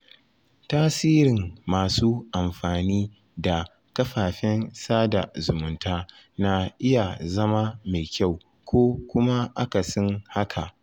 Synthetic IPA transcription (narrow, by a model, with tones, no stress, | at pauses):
taː˦siː˦ɾɪ˨ŋmaː˨suː˦ʔa˨mɸaː˨niː˦ | da˨ | kɐ˦ɸaː˨ɸɛ˦nsaː˦da˨zʊ˨mʊ˨ntaː˦ | na˨ʔɪ˦ja˨zɐ˦ma˦ma˨jkʲʰa˦˨w | kʷoː˦kʷʊ˦ma˦ʔa˦ka˨sɔ˦nha˦kʰa˨ʔ